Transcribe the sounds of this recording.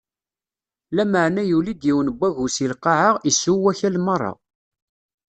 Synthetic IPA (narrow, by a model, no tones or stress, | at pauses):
læməʕnæjulid̪jiwnəbːæʝusilqɑʕəʁisːuwːæçælmɑrˤːɑ̰